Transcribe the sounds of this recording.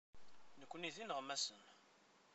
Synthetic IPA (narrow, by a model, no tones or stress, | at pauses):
nəkʷːniðinəʁmːæsən